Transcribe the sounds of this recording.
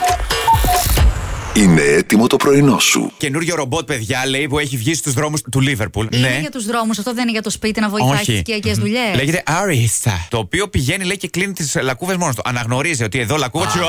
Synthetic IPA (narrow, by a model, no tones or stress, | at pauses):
ineet̪imo̞t̪o̞pɾo̞ino̞sṵce̞nuɾʝo̞ɾo̞bo̞t̪̚pe̞ðʝɐle̞jpue̞çivʝisist̪uzðɾo̞must̪ulive̞ɾpulneʝɐt̪uzðɾo̞mus̬ɐft̪o̞ðenineʝɐt̪o̞spit̪inɐvooçiiɐcezðuʎeleʝet̪e̞ʔɐɾist̪ɐ̰t̪o̞ːpio̞piʝe̞nile̞ice̞klinit̪islɐkuvezmo̞nost̪uʔɐnɐɣno̞ɾizio̞t̪ieðo̞lɐku